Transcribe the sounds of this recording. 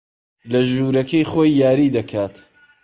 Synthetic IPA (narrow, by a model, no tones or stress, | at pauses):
lɐʒuːɾɐkɐjχojːaːɾiːd̪ɐkʰaːt̪